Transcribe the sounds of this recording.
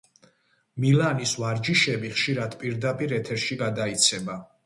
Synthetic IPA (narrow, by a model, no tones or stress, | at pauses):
milanisvaɾd͡ʒiʃɛbiχʃiɾad̪pʼiɾd̪apʼiɾɛt̪ʰɛɾʃiɡad̪ait̪sʰɛba